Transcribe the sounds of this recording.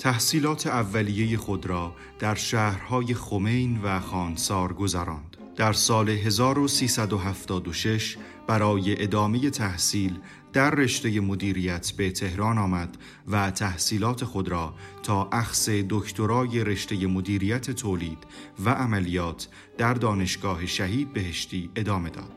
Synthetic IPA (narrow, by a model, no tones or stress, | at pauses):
t̪ʰæhsiːlɒːt̪ʰe̞ævːælije̞je̞xo̞d̪ɾɒː | d̪̥æɾʃæːhɾhɒːje̞xo̞me̞jnvæxɒːnsɒːɾɡo̞zæɾɒːnd̪̥ | d̪̥æɾsɒːle̞ɦe̞zɒːɾo̞siːsæd̪o̞ɦæft̪ɒːd̪oʃe̞ʃ | b̥æɾɒːje̞ʔed̪ɒːme̞je̞t̪ʰæhsiːl | d̪̥æɾːe̞ʃt̪e̞je̞mod̪iːɾijæt̪ʰbe̞t̪ʰe̞hɾɒːnɒːmæd̪̥ | væt̪ʰæhsiːlɒːt̪ʰe̞xo̞d̪ɾɒːt̪ʰɒːʔæxse̞d̪ocʰt̪ʰoɾɒːje̞ɾe̞ʃt̪e̞je̞mod̪iːɾijæt̪ʰe̞t̪ʰoːliːd̪̥væʔːmælijɒːt̪ʰ | d̪̥æɾd̪ɒːne̞ʃɡɒːɦe̞ʃæɦiːd̪̚be̞ɦe̞ʃt̪iːe̞d̪ɒːme̞d̪ɒ̰ːd̪̥